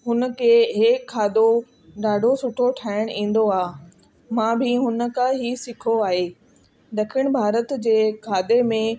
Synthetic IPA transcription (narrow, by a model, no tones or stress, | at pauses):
ɦʊnə̆kʰeːɦeːkʰːaːd̪o | ɗaːɖʱosʊʈʰoʈʰaːɪɽ̃ʔĩːn̆d̪oaː | mãːbʱiɦʊnə̆kãɦisɪkʰoaːɦeː | ɗ̪ɐkʰɪɽ̃bʱaːɾət̪d͡ʑeːkʰaːd̪emẽ